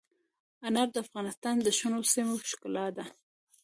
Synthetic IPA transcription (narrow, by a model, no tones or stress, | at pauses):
anab̚d̪əafɣɑnɪst̪ɑnd̪əʃʊnosimoʃkʊlɑd̪a